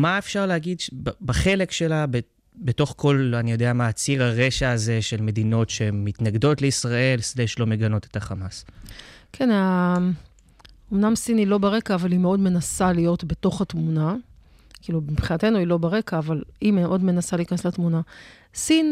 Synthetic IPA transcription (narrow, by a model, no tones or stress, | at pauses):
maefʃaʁleaɡidʃbaχe̞le̞kʃe̞labe | beto̞χko̞lanijo̞deamaːt͡siʁaʁe̞ʃaːze̞ʃe̞lme̞d̪ino̞tʃeːitnaɡdo̞tleisʁae̞lsleʃlo̞me̞ɡano̞te̞̥taχamas | kʰena | omnamsinilo̞beʁe̞kaːvalimeo̞dme̞nasalijo̞tbe̞to̞χatmuna | kiːlubipχinat̪e̞nuilo̞beʁe̞kaːvalimeeʔo̞dme̞nasaliːkanesletmuna | sin